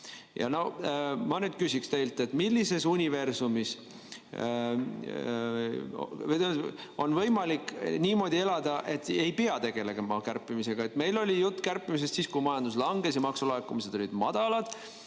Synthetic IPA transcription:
jɑ̰no̞mɑnyːd̪̥̚kysikst̪e̞jlt̪ˑe̞t̪ːmilːise̞sunʲive̞rsumis | t̪emt̪o̞nvɤ̞jmɑliknʲiːmo̞ːd̪̥ʲie̞lɑd̪̥ɑʔe̞t̪ːe̞jpeɑt̪e̞ɡ̥e̞le̞ɡ̥emɑkærpːˑimise̞ɡ̥ɑe̞t̪ːˑme̞jlo̞lʲijut̪ˑːkærpːˑimis̬e̞st̪siːskujmɑjɑnd̪uslɑŋɡe̞sjɑmɑksulɑekːumise̞d̪o̞lʲid̪̥mɑd̪̥ɑlɑd̪̥

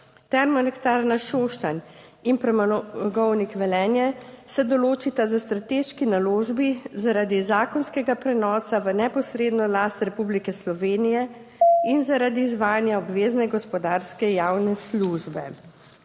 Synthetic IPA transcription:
t̪ɛɾmɔnɛkt̪aɾnaʃoːʃt̪an | inpɾɛmaɡɔwnikʋɛlɛːnjɛsɛd̪ɔloːt͡ʃit̪azast̪ɾat̪eːʃkinaloːʒbizaɾaːd̪izaːkɔnskɛɡapɾɛnɔːsaʋənɛpɔsɾeːd̪nɔlast̪ɾɛpublikɛslɔʋeːnijɛ | inzaɾaːd̪iːzʋaːjanjaɔbʋeːznɛɡɔspɔd̪aɾskɛjawnɛsluʒbɛ̰

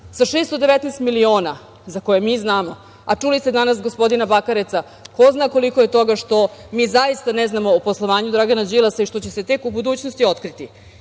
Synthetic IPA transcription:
saʃeːst̪od̪eʋet̪nɛːst̪milio̞ːna | zako̞jemiːznaːmo̞ | at͡ʂulist̪e̞d̪anas̬ɡospo̞d̪inabakaɾet̪sa | ko̞znaːko̞liko̞je̞t̪o̞ɡaʂt̪o̞miːzajist̪aneznamo̞ːposlˠoʋaːɲud̪ɾaɡanad͡ʑilˠasaiʃt̪o̞t͡ɕe̞se̞t̪e̞kubud̪uːt͡ɕnost̪io̞t̪kɾit̪i

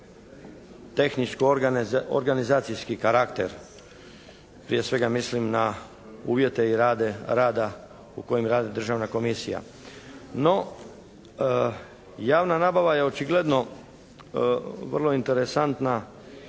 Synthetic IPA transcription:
t̪e̞xnit͡ʃkoo̰ɾɡanizaːt̪sijskikaɾakt̪e̞ɾ | pɾije̞sʋe̞ɡamislimna | ṵːʋje̞t̪e̞iɾaːd̪e̞ɾaːd̪a | ṵko̞jimɾaːd̪id̪r̩ʒaːʋnako̞misija̰ | no̞ | jaːʋnanaːbaʋajeo̞t͡ʃiɡle̞d̪no̞ | ʋərlˠo̞int̪e̞ɾesant̪na

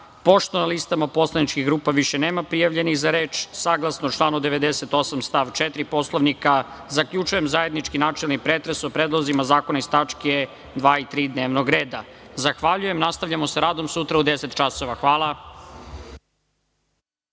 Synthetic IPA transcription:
po̞ʃt̪onalist̪amapo̞slˠanit͡ʃkiɣɡɾuːpaʋiʃeneːmapɾijaʋʎe̞niɣzaɾeːt͡ʃsaɡlˠasnot͡ʃlˠaːnud̪eʋed̪eset̪o̞samst̪aʋt͡ʃet̪ɾipo̞slˠoʋnika | zakʎut͡ʃujemzaje̞d̪nit͡ʃkinaːt͡ʃelˠnipɾeːt̪ɾesopɾed̪lˠozimazaːkonaist̪at͡ʃke | d̪ʋaːit̪ɾiːd̪neːʋnoɡɾe̞ːd̪azaxʋaʎuje̞mnast̪aʋʎʲamo̞seɾaːd̪o̞msut̪ɾaud̪eset̪t͡ʃasoʋaxʋaːlˠa

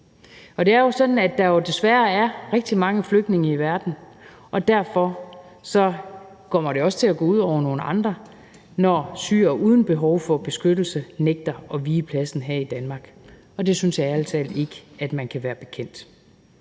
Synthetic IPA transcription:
ɒ̽d̥e̝æɐjo̝sɒ̽d̥n̩æd̥ɑ̈jo̝d̥e̝sʋæɐæɐʁɛɡ̥̚d̥imɑ̈ŋəfløɡ̥̚d̥ne̝ŋɐiʋæɐd̥n̩ | ʔɒ̽d̥æɐ̰fɒ | sɒ̽ | kʰɒ̽m̰ɐɾ̥e̝ɒ̽sə̥t͡sʰe̝læɡ̥ɔ̰ːuð̞̰ˠɒʊ̰ɐno̝ːnəʔɑ̈nd̥ʁɐ | nɒːsy̰ːɐʔuːð̞ˠn̩b̥e̝ɦɒʊfɒ̽b̥e̝sɡ̥ød̥l̩səneɡ̥̚d̥ɐɒ̽ʋiːəpʰlæsn̩ɦæɐ̰id̥ænmɑ̈ːɡ̥ | ɒ̽d̥e̝synsjɑ̈æl̰t͡sʰɛ̰ːle̝ɡ̥əæd̥mænkʰæʋæːɐb̥e̝kʰen̰d̥

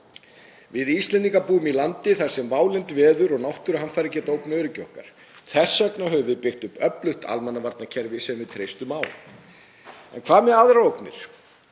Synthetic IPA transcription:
vɪðist̪lɛnt̪iŋkapuːʏmilant̪ɪθaɾ̥sɛmvaːwlɪnt̪vɛːðʏɾɔɣnawht̪ʏɾɦanfajɾɪcɛːt̪oːwpnaʏɾɪcɪɔhka̰ɾ̥ | θɛsːœknaɦœvʏvɪðpɪxt̪ʏpœplʏht̪a̰lmɛnːavaɾt̪nacʰɛɾvɪsɛmvɪðt̪ʰɾejst̪ʏmaːw | ɛ̰nkʰv̥aːmjɛaːðɾaowknɪ̰ɾ̥

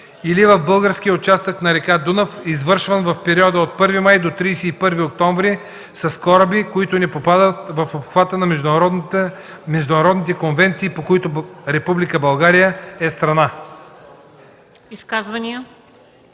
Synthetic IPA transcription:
ilivɐvbɤlˠɡəɾsk̟iəʊt͡ʃast̪əknɐɾɛkad̪unəfizvɤɾʃvənvɐfpɛɾiɔd̪əot̪̚pɤɾvimajd̪ot̪ɾijsɛipɤɾviok̚t̪ɔɱvɾi | sɐskɔɾəbikoit̪ʊnɛpopad̪ət̪vɐfopxvat̪ənɐmɛʒ | mɛʒd̪ʊnɐɾɔd̪nit̪ɛkonvɛnt̪siːpokoit̪ʊɾɛpublikəbɐlˠɡaɾijəɛst̪ɾɐna | iskazvɐnijə

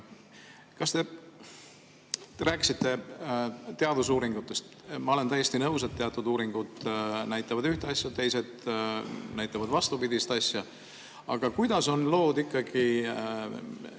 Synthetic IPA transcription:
kɑst̪e̞ | ɾæːkːˑi̥sit̪ːe̞ | t̪e̞ɑd̪us̬uːɾiŋɡ̥ut̪ːˑe̞st̪ | mɑo̞le̞nt̪æjːe̞st̪inɤws̬e̞t̪ːeɑt̪ːˑud̪uːɾiŋɡ̥ud̪̥næjt̪ːˑɑvɑd̪yht̪eɑsʲjɑt̪e̞jse̞d̪ | næjt̪ːˑɑvɑd̪vɑst̪upid̪ist̪ɑsjɑ | ɑɡ̥ɑkujd̪̥ɑso̞nlo̞ːd̪ikːɑɡ̥i

